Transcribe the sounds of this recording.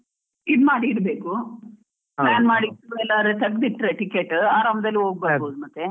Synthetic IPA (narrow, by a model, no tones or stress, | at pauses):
id̪maːɽiːɽbeːku | plaːnmaːɽit̪ːɛlːaɾet̪ɐɡd̪iʈːɾeʈikeʈːaːɾamd̪ɐlːioːɡ̚bɐɾboːd̪umɐt̪ːe